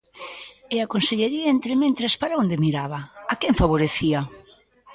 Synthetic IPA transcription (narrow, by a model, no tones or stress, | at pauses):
eakonseʎeɾiaent̪ɾemẽnt̪ɾespaɾaond̪emiɾaβɐakeɱfaβoɾeθia